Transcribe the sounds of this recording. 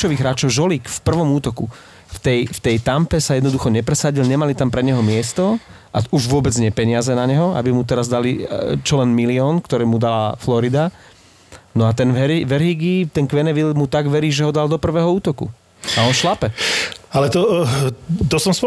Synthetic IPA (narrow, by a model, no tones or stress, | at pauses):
ɔʋiːɣɦɾaːt͡ʃɔʊʒɔliːkfpr̩ʋɔmuːt̪ɔkṵ | ft̪ɛjft̪ɛjt̪ampɛsajɛd̪nɔd̪uxɔɲɛpɾɛsaɟilɲɛmalit̪ampɾɛɲɛɦɔmɪɛst̪ɔ | ʔauʒʋʊɔbɛd͡zɲɛpɛɲɪazɛnaɲɛɦɔa̰bimut̪ɛɾazd̪alit͡ʃɔlɛnmiliɔːnkt̪ɔɾɛːmud̪alaflɔɾid̪a | nɔat̪ɛnɛɾiʋɛɾɦiɡit̪ɛnkʋɛnɛʋilmut̪aɡʋɛɾiːʒɛɦɔd̪ald̪ɔpr̩ʋɛːɦɔuːt̪ɔkṵ | aɔnʃlapɛalɛt̪ɔ | t̪ɔsɔmspɔ